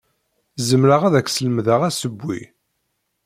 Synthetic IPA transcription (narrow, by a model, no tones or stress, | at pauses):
zəmɾəʁæðækːsələmðaʁæsəbʷːḭ